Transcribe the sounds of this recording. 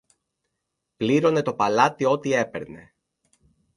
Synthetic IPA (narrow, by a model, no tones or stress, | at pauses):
pliɾo̞ne̞t̪o̞pɐlɐt̪io̞t̪ie̞pe̞̰ɾne̞̰